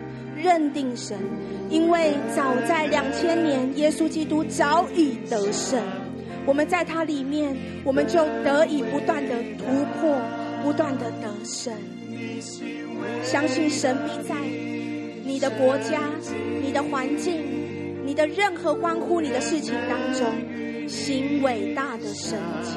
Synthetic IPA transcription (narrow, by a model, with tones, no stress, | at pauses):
ɻə˥˧nt̪i˥˩ŋʂə˧˦n | i˦˥nwe˥˩ɪt͡sɑ˨˩ʊt͡sa˥˩ɪljɑ˨˩ŋt͡ɕʰjɛ˥nnjɛ˧˥njɛ˥su˥t͡ɕi˥t̪u˥t͡sɑ˧˥ʊʔi˨˩t̪ə˧˦ʂə˥˩n | wɔ˨˩mə˦nt͡sa˥˩ɪt̪ʰa˥li˨˩mjɛ˥˩n | wɔ˨˩mə˦nt͡ɕjo˥˩ʊt̪ɤ˧˥i˨˩pu˧˥t̪wa˥˩nd̪ə˩t̪ʰu˧˥pʰɔ˥˩pu˧˥t̪wa˥˩nd̪ə˩t̪ə˧˥˦ʂə˥˩n | ɕjɑ˥ŋɕi˥˩nʂə˧˦npi˥˧t͡sa˥˩ɪ | ni˨˩d̪ə˦kwɔ˧˥t͡ɕja˥ni˨˩d̪ə˦xwa˧˦nt͡ɕi˥˩ŋ | ni˨˩d̪ə˦ɻə˥˩nxɤ˧˥kwa˥nkʰu˥ni˨d̪ə˦ʂɻ̩˥˩t͡ɕʰi˨˦ŋt̪ɑ˥ŋʈ͡ʂʊ˥ŋ | ɕi˧˥nwe˨˩ɪt̪a˥˩d̪ə˨˩ʂə˥˩n | i̥˨